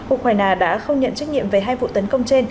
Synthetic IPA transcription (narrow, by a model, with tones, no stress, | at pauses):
ʔu˧kwaː˧jnaː˧ɗa̰ː˧˥xə˧wŋ͡mɲə̰˧˨nt͡ɕa˦˥k̚ɲḭ˧˨əmve˨˩ɦaː˧jvṵ˧˨t̪ə˨˦nkə˧wŋ͡mt͡ɕe˧n